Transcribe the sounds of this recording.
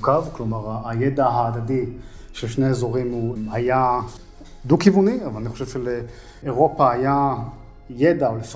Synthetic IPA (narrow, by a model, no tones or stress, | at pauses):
kavklo̞maʁaːjed̪aɦaːd̪ad̪i | ʃelʃneezo̞ʁimhuhaja | d̪ukivuniavalaniχoʃevʃeleː | ʁo̞pahaja | jed̪aolef